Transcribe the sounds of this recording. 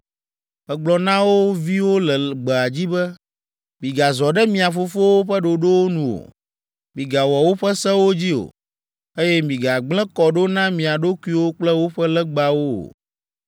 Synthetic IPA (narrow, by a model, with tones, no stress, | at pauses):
ɸɛ˦ɡ͡blɔ˨nã˦wo˦vi˦wo˦lɛ˨ɡ͡bɛ˨a˨d͡ʑi˦bɛ˦ | mĩ˨ɡa˨zɔ˨ɖɛ˦mĩ˨a˨fo˨fo˦wo˦ɸɛ˦ɖo˨ɖo˦wo˦nũ˨o̰˨ | mĩ˨ɡa˨wɔ˨wo˦ɸɛ˦sɛ˦wo˦d͡ʑi˦o̰˨ | e˦jɛ˦mĩ˨ɡa˨ɡ͡blɛ̃˦kɔ˨ɖo˦nã˦mĩ˨a˨ɖo˦ku˦i˦wo˦k͡plɛ˦wo˦ɸɛ˦lɛ˦ɡ͡ba˨wo˦o̰˨